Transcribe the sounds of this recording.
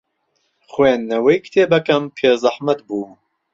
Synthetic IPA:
χweːnːɐwejkʰt̪ʰeːbɐkɐmpʰeːzɐħmɐt̪̚buː

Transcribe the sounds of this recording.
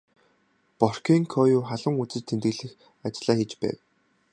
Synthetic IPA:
pɔr̥kiːŋkʰɔjuːχaɮə̆ŋut͡sɘ̆t͡ɕt̪ʰent̪ɘ̆ɮɘ̆x | at͡ɕɮaːxit͡ɕpæ̰ːw

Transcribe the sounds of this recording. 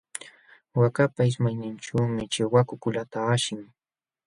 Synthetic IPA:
wakapaɪsmajnɪnʈ͡ʂuːmɪt͡ʃɪwakʊkʊlat̪aːʃɪŋ

